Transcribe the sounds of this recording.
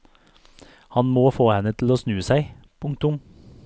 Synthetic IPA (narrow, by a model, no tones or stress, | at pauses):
hɑnmoːfoːhɛnət̪ʰl̩oːsnʉːsæɪ | pʰʊŋt̪ʊm